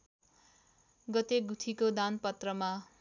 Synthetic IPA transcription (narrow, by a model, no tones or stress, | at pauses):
ɡʌt̪eɡut̪ʰikod̪anpʌt̪rʌma